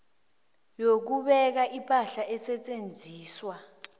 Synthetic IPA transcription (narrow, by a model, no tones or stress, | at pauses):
jok̬uɓɛk̬aʔipʼaɬaʔɛsɛt͡sʼend͡zʱiːswa